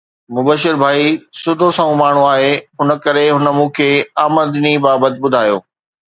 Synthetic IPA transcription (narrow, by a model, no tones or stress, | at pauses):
mʊbəʃɪɾbʱaːisʊd̪ʱosɐ̃ũmaːɳ̤ũaːɦeɦʊnə̆kɐɾeɦʊnə̆mũːkʰeːaːməd̪nibaːbət̪ɪ̆bʊd̪ʱaːjo̰ː